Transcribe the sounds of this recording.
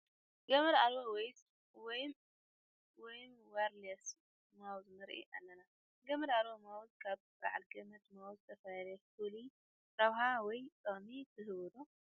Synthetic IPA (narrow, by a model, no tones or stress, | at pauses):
ɡɐmɐɾalbowejs | wɔj | wɔjmwaɾlɐs | mawzmɨɾʔḭʔalːɐna | ɡɐmɐd̪alβomawzkʰaβba̰ʕalɡɐmɐt̪mawzɨt̪ʰɐfajlɐfuli | ɾaβɦawɔjt̪ʼomit̪ʰɨɦɨwɔd̪o